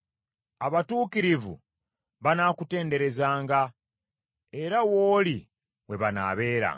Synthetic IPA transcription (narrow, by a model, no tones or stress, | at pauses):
aβatuːkiɾivṵ | βanakute̞ːnde̞ɾe̞zaːŋɡa | e̞ɾawoːli | we̞βana̰ːβe̞ːɾa̰ː